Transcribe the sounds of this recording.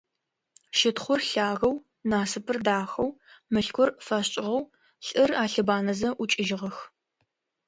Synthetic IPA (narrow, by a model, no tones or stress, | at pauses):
ʃɪtχʷʊrɬaːɣɐw | naːsɨpʰɨrdaːxɐwmɨɬkʷʊrfɐɕɕʼɪʁɐw | ɬʼɨraːɬɨbaːnɐzɐʔʊt͡ʃʼɪʒɪʁɐx